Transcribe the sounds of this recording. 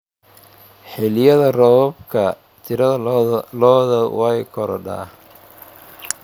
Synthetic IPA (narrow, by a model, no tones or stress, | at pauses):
ħɪlɪjɐðɐrɔbkʰɐ | t̪ʰɪɾɐðɐlɔːðɐwɑjkʰɔɾɔ̰ɖa̰ː